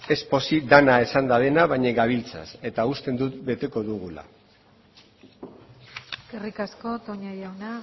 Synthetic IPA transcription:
e̞spo̞sid̪anae̞sand̪aβe̞naβaɲeɡaβ̞ilt͡sa̰se̞t̪aust̪e̞nd̪ut̪be̞t̪e̞ko̞ðuɣula̰ | kerikasko̞t̪oɲajawna

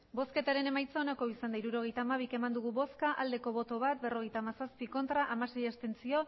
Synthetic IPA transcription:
bo̞ske̞t̪aɾe̞ne̞majt͡saonako̞isand̪aiɾuɾo̞ɣ̞e̞jt̪aːmaβ̞ike̞mand̪uɣ̞uβo̞skaʔald̪e̞ko̞βo̞t̪o̞β̞at̪̚be̞ro̞ɣe̞jt̪aːmasaspiko̞nt̪ɾaʔamasejest̪e̞nt͡sio̞

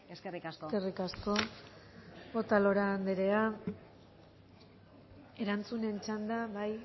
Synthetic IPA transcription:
eskerikaskoerikasko̞ | ot̪alo̞ɾaːnd̪eɾe̞a | e̞ɾant͡sune̞nt͡ʃand̪aβaj

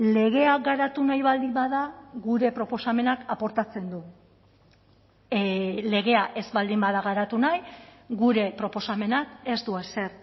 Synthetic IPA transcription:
le̞ɣ̞e̞aɡaɾat̪unajβald̪imbaðaɣuɾe̞pɾo̞po̞same̞nakapo̞ɾt̪at͡se̞nd̪u | le̞ɣe̞aʔe̞zβald̪imbaðaɣaɾat̪unajɡuɾe̞pɾo̞po̞same̞nake̞zd̪uese̞ɾ

